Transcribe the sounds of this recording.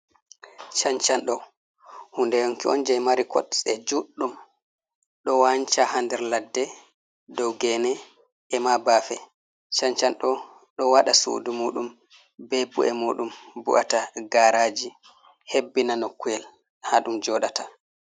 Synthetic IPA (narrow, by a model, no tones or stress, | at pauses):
t͡ʃaɲt͡ʃanɗɔ | hundɛjɔŋkiɔnd͡ʒɛjmaɾikɔ̰ɗsɛd͡ʒuɗːum | ɗɔwaɲt͡ʃahandɛɾladːɛ | dɔwɡɛnɛ | ʔɛmabaːfɛ | t͡ʃaɲt͡ʃanɗɔ | ɗɔwaɗasṵdumuːɗum | bebṵʔɛmuːɗumbṵʔa̰taɡaɾaːd͡ʒi | hebːinanɔkːuɛl | haɗumd͡ʒɔɗata